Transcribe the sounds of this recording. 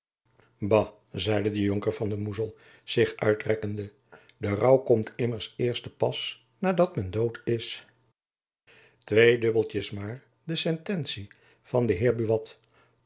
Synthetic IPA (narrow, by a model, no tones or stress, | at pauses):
bɑ | zɛjdədəjoŋkəɹvɑndəmuzəlˠ | z̥ɪχʔœ̰ɥtrɛkəndə | dərʌwkɔmtʰɪməɹsɪːɹstəpɑs | naːdɑtmɛndowtɪs | tʋejdɵbəlˠtəsmaːɹ | dəsɛntɛnsi | v̥ɑndəɦɪːɹbyʋɑt